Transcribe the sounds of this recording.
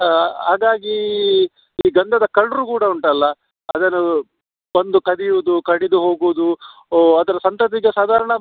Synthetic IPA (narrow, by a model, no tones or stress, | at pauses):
ɦaːɡaːɡi | iːɡɐnd̪ʱɐd̪ɐkɐɭɐɾukuːɽɐuɳʈɐlːɐ | ɐd̪ɐnːu | bɐnd̪ukɐd̪ijuʋud̪ukɐɽid̪uɦo̞ːɡuʋd̪uɐd̪ɐɾɐsɐnt̪ɐt̪̬iɡesaːd̪ʱaːɾɐɳɐ